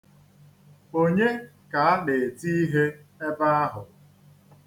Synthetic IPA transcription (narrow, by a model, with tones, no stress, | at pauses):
o˦ɲe˦ka˨a˦ɗɪ˨e˨ti˦i˦ɦe˦e˦ba˦a˦ɦʊ˨